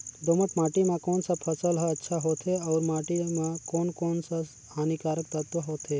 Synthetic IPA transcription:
d̪oːməʈ̪maːʈimãkoːnsapʰəsəlɦəɐtːʃʰaɦoːt̪ʰeɔːɾmaːʈimãkoːnkoːnsa | aːnikaːɾək̚t̪ət̪ʋəɦoːt̪ʰe

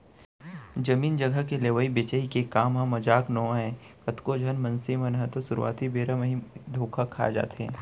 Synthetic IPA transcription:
d͡ʒɐmiːnd͡ʒɐɡəkeleːʋəibet͡ʃəikekaːmɦãmɐd͡ʒaːknɔ̃ːɦɛ̃ːkɐt̪kod͡ʒʱɐnmɐ̃nsimɐnɦət̪osʊɾṵa̰ːt̪ibeːɾəməɦĩd̪ʱoːkʰakʰa̰ːd͡ʒa̰ːt̪ɦɛ̰̃ː

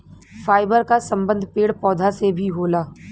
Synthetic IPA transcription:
faːɪbəɾkasɐ̃mbə̃nd̪ʱpeːɽpɔːd̪ʱasebʱiɦoːlaː

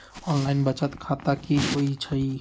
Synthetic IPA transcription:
ɔnlainbət͡ʃət̪kʰat̪akiɦoit͡ʃʰəj

